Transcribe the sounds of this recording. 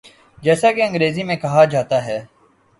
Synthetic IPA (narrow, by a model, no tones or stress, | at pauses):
d͡ʒɛːsakeɐ̃ŋɡɾeːzimẽkɐɦad͡ʒaːt̪aɦɛː